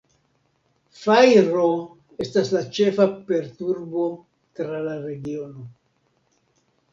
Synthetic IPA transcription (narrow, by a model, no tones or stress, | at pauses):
fajɾo̞ | estaslat͡ʃe̞fape̞ɾtuɾbo̞ | tɾalaɾe̞ɡio̞no̞